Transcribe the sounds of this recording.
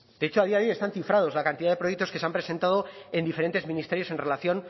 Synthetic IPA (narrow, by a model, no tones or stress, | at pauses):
d̪eet͡ʃoaðiaðoje̞st̪anθifɾað̞o̞zlakant̪iðaðe̞pɾjek̚t̪oskeseampɾese̞nt̪aðo̞e̞nd̪ife̞ɾe̞nt̪e̞zmĩnist̪e̞ɾjo̞se̞nre̞laθjo̞n